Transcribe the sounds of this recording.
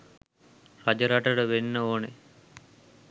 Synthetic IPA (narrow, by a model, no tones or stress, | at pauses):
rad͡ʒəɾaʈəɽəʋenːəoːne